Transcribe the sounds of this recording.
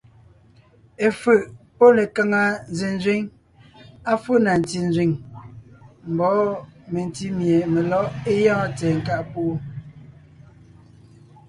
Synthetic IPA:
e˨fɯ˨ʔpo˦le˨ka˦ŋa˨n˦ze˨n˦zi˦ŋ | a˦fu˦na˨n˨ti˨n˦zɥi˨ŋ | m̩˨bɔ˨˦me˨n˨ti˦mje˨me˨lɔ˦ʔe˦jã˦tɛː˨ŋ̩˨ka˦˨ʔpo˦o˦

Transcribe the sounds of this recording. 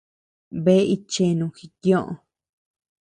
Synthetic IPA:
βe˦i˧t͡ʃe˧nũ˨˧xi˧kjõ˦ʔõ̰˧

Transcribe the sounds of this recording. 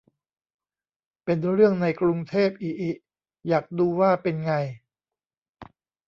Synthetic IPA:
pe˧nɾɯ˥˩əŋna˧jkɾu˧ŋt̪ʰeː˥˩p̚ʔiː˧˩ʔi˧˩ | jaː˨˩k̚duː˧waː˥˩pe˧nŋa˧j

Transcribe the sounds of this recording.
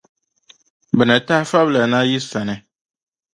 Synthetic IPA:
bɛ˨nɛ˨ta˦fa˦bla˨nã˦ji˦sa˨nɛ˨

